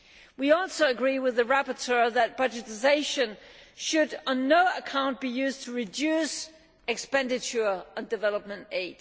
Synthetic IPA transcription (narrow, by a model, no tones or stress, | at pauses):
wiɔlˠsoʊɨɡɹiwɨðɨɹæpə˞tʰɜ˞ðɨt̚b̥ʌd͡ʒɨtɨzeɪʃɨ̃nʃɨɾn̩ːoʊəkʰãʊ̃n̚b̥ijʉztʰəɹɨdʉs | ɨkspɛ̃ndɨt͡ʃə˞ə̃ndɨvɛlˠəp̚mə̃nteɪd̥